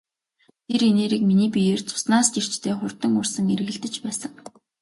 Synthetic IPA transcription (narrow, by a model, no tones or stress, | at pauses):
t̪ʰeɾeneːɾiːkminiːpʲijeːrt͡sʊ̥snaːst͡ɕir̥t͡ɕt̪ʰeːχʊrt̪ə̆ŋʊrsə̆ŋeɾ̆ɣɘ̆ɮt̪ɘ̆t͡ɕpæːsə̆ŋ